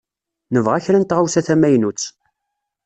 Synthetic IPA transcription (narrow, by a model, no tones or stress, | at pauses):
nəvʁæçɾænt̪ʁawsæθæmæjnut͡sː